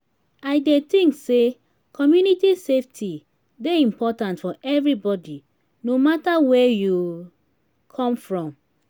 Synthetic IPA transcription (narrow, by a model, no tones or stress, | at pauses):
aɪdet̪ĩŋkse | kʰɔmjunitiseftʰi | deĩmpɔtãntfɔʔɛvɹibɔdi | nomatawɛju | kʰɔ̃mfɹɔ̃m